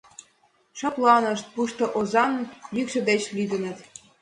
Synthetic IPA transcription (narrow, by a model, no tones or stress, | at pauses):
ʃɑplɑnə̆ʃt̪̚puʃt̪ɤ̆ʔozɑnjykʃə̆d̪et͡ɕlyd̪ə̆nə̆t̪